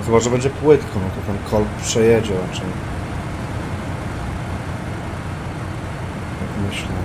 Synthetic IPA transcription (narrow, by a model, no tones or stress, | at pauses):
xɔbaʐəbɛɲd͡ʑɛpwɘt̪kʰɔ̃w̃at̪ɔt̪ɛnkʰɔlppːʂɛjɛd͡ʑɛɾat͡ʂɛj | jakmɘɕlɛ